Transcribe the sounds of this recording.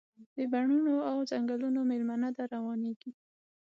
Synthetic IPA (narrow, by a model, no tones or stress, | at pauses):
d̪̥əbaɳunoawzaŋɡalunomelmanad̪aɾawɑneɡi